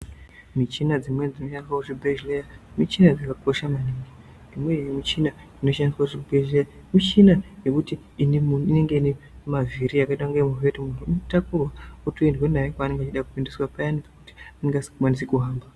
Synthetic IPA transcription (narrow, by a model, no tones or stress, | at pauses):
mit͡ʃinad͡zimwe̞d͡zino̞ʃaniswauʐibʱeʒlejamit͡ʃinad͡zakako̞ʃamaniŋɡi | imwejemit͡ʃina | ino̞ʃaniswauʐibʱeʒleja | mit͡ʃinaje̞kutiːneunuine̞ŋɡe̞ine | mavʱiɾiakaitwaŋɡeemuɦetimunomtakurwautoendwenajekwaːneŋɡat͡ʃiɗakupindiswapajanipakuti̥aneŋɡaswanis̬ikuɦaːmba